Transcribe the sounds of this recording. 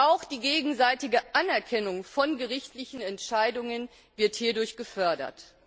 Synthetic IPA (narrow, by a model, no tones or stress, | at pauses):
ʔaʊxd̥iːɡeːɡŋ̩zaɪtɪɡəʔanɛɐkʰɛnʊŋfɔnɡəʁɪçtlɪçn̩ɛntʃaɪdʊŋən | vɪɐthiːɐdʊɐçɡ̥əfœɐdɐ̰t